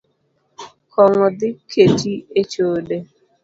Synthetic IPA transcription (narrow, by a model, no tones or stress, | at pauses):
kʰɔŋɔdɪkʰetiet͡ʃode